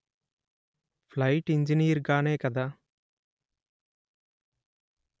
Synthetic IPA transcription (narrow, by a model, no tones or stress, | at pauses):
pʰlɐjʈiɲd͡ʒinijɐɾɡaːneːkɐd̪a